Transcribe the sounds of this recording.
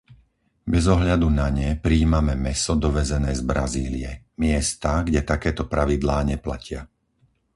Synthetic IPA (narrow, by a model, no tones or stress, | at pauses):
bɛzɔɦʎad̪unaɲɛpɾiːmamɛmɛsɔd̪ɔʋɛzɛnɛːzbɾaziːliɛ | mɪɛst̪aɡɟɛt̪akɛːt̪ɔpɾaʋid̪laːɲɛpla̰cɪa